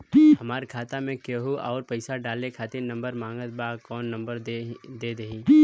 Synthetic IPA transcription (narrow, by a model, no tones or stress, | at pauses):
hɐmaːɾkʰaːt̪amẽkeɦuɔːɾpɐɪsaɖaːlekʰaːt̪ɪɾnɐ̃mbəɾmãːŋɡət̪̚bakɔːnːɐ̃mbəɾd̪eːd̪ɐɦĩ